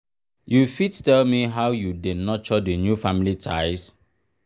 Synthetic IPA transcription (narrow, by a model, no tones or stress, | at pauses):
jufittɛlmiɦawjudenɔt͡ʃɔdənjufãmilitʰaɪs